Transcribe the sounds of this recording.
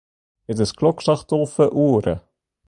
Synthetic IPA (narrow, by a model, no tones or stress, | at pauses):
ɪd̪əskʰlɔkʃɑχt̪oʁfəʔuːɾə̰